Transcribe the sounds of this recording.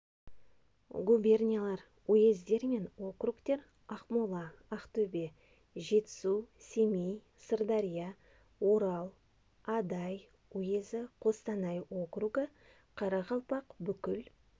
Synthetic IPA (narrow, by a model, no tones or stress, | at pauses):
ɡubʲe̞rnʲijalˠɑɾ | ojezd̪e̞ɾme̞nwo̞krukt̪e̞ɾ | ɑqmolˠɑːqt̪ɵbe̞ | ʒe̞t̪ɪ̥suse̞mej | sərd̪aɾʲija | wo̞ɾɑlˠ | ɑd̪ɑj | ojezɪqʰo̞st̪ɑnɑjwo̞kruɡə | qʰɑɾɑʁɑlˠpɑqbʏkʲɪl